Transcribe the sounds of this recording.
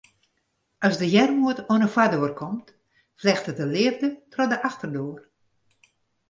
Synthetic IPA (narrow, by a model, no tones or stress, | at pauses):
ʔɔsdəjɛrmuətoənəfwadoərkʰɔmt | flɛxtədəlɪərdətrɔdəʔaxtərdoːər